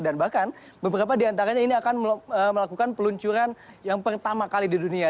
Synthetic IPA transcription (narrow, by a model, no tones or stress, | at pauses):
danbahkan | bəbəɾap̬adiant̪̬aɾaɲainiakanəməlakukanpəluɲt͡ʃuɾanjaŋpərt̪amakalididunia